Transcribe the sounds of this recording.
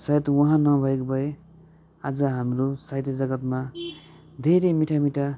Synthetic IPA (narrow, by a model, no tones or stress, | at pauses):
sajt̪wʌɦãnʌbʱʌekobʱʌe | ad͡zʌɦamrosajt̪ʌd͡zʌɡʌt̪ma | d̪ʱeɾemiʈʰamiʈʰa